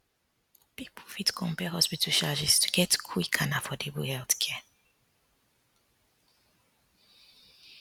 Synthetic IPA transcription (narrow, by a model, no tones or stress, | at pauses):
pipʰfitkʰɔ̃mpɛhɔspitʰlʃad͡ʒistʰu̥ɡɛtkʰu̥ikʰanafɔdebṵhɛlθkʰɛ